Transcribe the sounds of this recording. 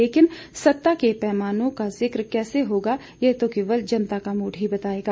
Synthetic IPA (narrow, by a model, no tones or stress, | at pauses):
eːkɪnsɐt̪ːakepɛːmaːnõkazɪkɾkɛːseɦoːɡa | jeɦt̪okeːʋəld͡ʒɐnt̪akamuːɖɦibɐt̪aːeːɡaː